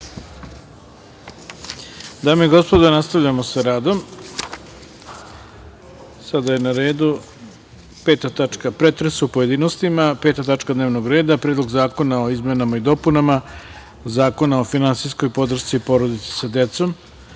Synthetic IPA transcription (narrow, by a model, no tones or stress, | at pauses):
d̪aːmoiɡo̞spo̞d̪onast̪aʋʎamo̞saɾaːd̪o̞m | sad̪aje̞naɾe̞ːd̪u | peːt̪at̪at͡ʂkapɾe̞t̪ɾesuupoje̞d̪iːnost̪imapeːt̪at̪at͡ʂkad̪neːʋnoɡɾe̞ːd̪apɾeːd̪lo̞ɡzaːko̞nao̞izme̞namaid̪o̞punama | zaːko̞nao̞finansijsko̞jpo̞d̪r̩ʃt̪ipo̞ɾo̞d̪it̪se̥sad̪e̞t̪so̞m